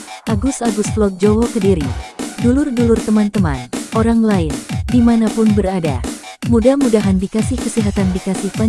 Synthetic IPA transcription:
ʔaɡusaɡusflɔt̪̚d͡ʒowokədiɾḭdulʊrdulʊrt̪əmant̪əma̰nʔoɾaŋlaɪndimanapʊnbəɾada̰ | mudahmudaɦandikasɪhkəsiɦat̪andikasɪhpa

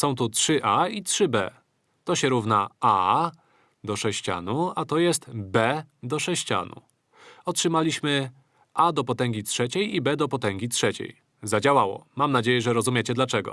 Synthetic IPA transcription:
sɔ̃w̃t̪utʂɘʔaitʂɘbɛ̰ | t̪ɔɕɛɾuvnaa | d̪ɔʂɛɕt͡ɕa̰nuat̪ɔjɛst̪bɛd̪ɔʂɛɕt͡ɕa̰nṵ | ɔtʂɘmalʲiɕmɘ | ʔad̪ɔpɔt̪ɛŋɡʲitʂɛt͡ɕɛjibɛd̪ɔpɔt̪ɛŋɡʲitʂɛt͡ɕḛj | zad͡ʑawawɔ̰mamnad͡ʑejɛʐɛɾɔzumʲjet͡ɕɛd̪lat͡ʂɛɡɔ̰

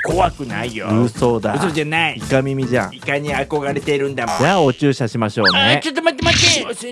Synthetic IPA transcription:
ko̞βakɯ̟naijoɯso̞ːd̪aɯsoːd͡ʑanaiikamʲimʲiʑã̰ŋ̃ikaɲ̟iako̞ɡaɾe̞t̪e̞ɾɯ̟̃nd̪amod͡ʑaːo̞t͡ɕɨːɕaɕimaɕo̞ːneet͡ɕot̪ːomat̪ːemat̪ːẽo

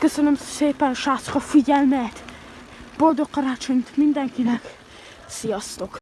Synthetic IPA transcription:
køsønømseːpɛnʃaːt̪skɒfiɟɛlmɛt̪ | b̥old̪okkːɒɾaːt͡ʃont̪mind̪ɛŋkinɛk | sijɒst̪ok

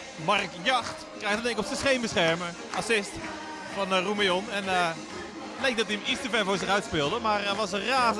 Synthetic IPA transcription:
mɑrkjɑχt | krɛjχtədɛŋkɔpsəsχejmbəsχɛɹməɹ | asɪst | fɑnrumejɔnɛn | lejk̚dɑtiəmitstəvɛɹvoːzɪχœɥtspɪlˠdəmaːrɛʋɑs̬əraː

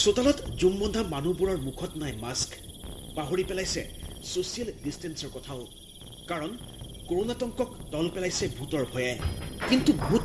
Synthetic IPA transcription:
sotalɔtzumːɔndʱamanubuɹɔɹmukʰɔtnajmaskpaɦoɹipɛlajsɛsosialdistɛnsɔɹkɔtʰaʊ | kaɹɔn | koɹonatɔŋkɔkdɔlpɛlajsɛbʱutɔɹbʱɔjakintubʱu

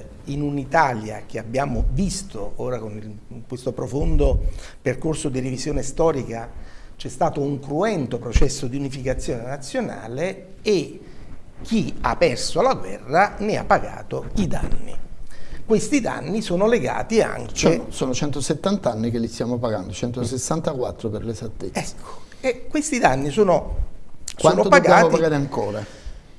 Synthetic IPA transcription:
inunit̪aːlja̰k̟eabːjaːmovist̪ooːɾakonikwest̪opɾofond̪operkorsod̪iɾevizjoːnest̪ɔːɾikat͡ʃɛst̪aːt̪ouŋkɾuɛnt̪opɾot͡ʃɛsːod̪iunifikat̪sːjoːnenat̪sːjona̰ːleː | k̟ːia̰pːɛrsoalaɡwɛ̰rːanea̰pːaɡa̰ːt̪oid̪a̰nːḭkwest̪id̪a̰nːisoːnoleɡa̰ːt̪ia̰ŋksesoːnot͡ʃɛnt̪oset̪ːant̪anːikelːist̪jaːmopaɡand̪ot͡ʃɛnt̪os̬esːant̪akwat̪ːɾopeɾlesat̪ːeɛsːo̥ | ɛkːwest̪id̪anːisoːno | swantoodp̪aobɡjaːmop̪aɡaːɾeaŋkoːɾa

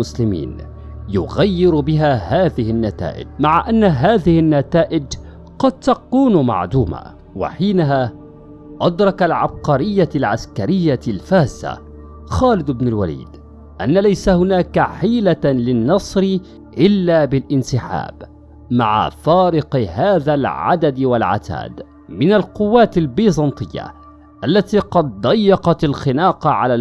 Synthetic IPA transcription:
mʊslɪmḭːn | jʊɣajːɪɾbɪɦaːhaːðɪhɪnːat̪a̰ːʔɪ̰d͡ʒmaʕaʔanːaɦaːðɪhɪnːat̪aːʔɪd͡ʒ | qɑd̪̚t̪ɑquːnma̰ʕd̪uːma̰ | wa̰ħiːnaɦaː | ʔɑd̪ɾˤɑkalʕa̰b̚qɑɾɪjːalʕaskaɾɪjːalfaːzːa̰ | xɑːlɪd̪ɪbnalwa̰lḭːd̪ | ʔanːalajsahʊnaːkaħiːlalɪnːɑsˤɾɪ | ʔɪlːaːbɪlʔɪnsɪħa̰ːb | maʕa̰faːɾɪqhaːðalʕa̰d̪ad̪walʕa̰t̪ʰa̰ːd̪ | mɪnalqʊwːaːt̪albiːzˤɑnt̪ɪjːa̰ | ʔalːat̪iːqɑd̪̚ːˤɑjːɑqɑt̪alxɪnɑːqɑʕala

